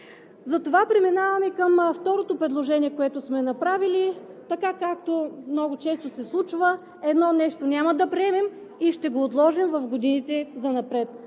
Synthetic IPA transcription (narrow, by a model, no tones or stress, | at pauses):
zɐt̪ovapɾɛminavɐmikəmft̪ɔɾot̪opɾɛd̪lˠoʒɛniɛkoɛt̪ʊsmɛnɐpɾavilit̪ɐkakak̚t̪omnɔɡʊt͡ʃɛst̪osɛslˠut͡ʃvə | ɛd̪nɔnɛʃt̪onʲamɐd̪ɐpɾɛɛmɛmiʃt̪ɛɡoːt̪lˠɔʒimvɐfɡod̪init̪ɛzɐnɐpɾɛt̪